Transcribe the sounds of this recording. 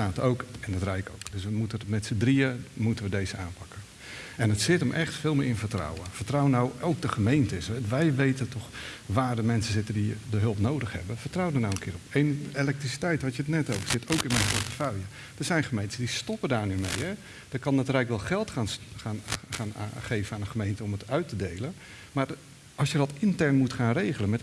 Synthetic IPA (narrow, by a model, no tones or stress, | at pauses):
aːtowkɛnətrɛjko̰wkd̥øsʋəmutəmɛtsədriəmutənʋədejzəaːnpɑkə | ɛnətsɪtəmʔɛxtfɪːlˠmɪːrɪnfətra̰wəfərtrawənawowk̚dəχəmejntəsɛʋɛjʋejtəntɔχʋaːrdəmɛnsəsɪtəndidəɦɵlˠpnowdəxhɛ̰bəfətrawədənawənkʰɪːrɔpenelɛk̚trisi̥tɛjtʋatjətnɛtowvəɹsɪtowkɪnmɛjnpɔɹtəfœɥə | d̥əzɛjnχəmejntəsədistɔpədaːɹnymejhɛ | dəkɑnːatərɛjkʋɛlˠχɛlˠtχa | aːnχejvənaːndəχəmejntəɔmətœɥtədejlən | maːr | ɑlˠsjədɑtɪntɛɹnmutχaːnrejɣələnmɛt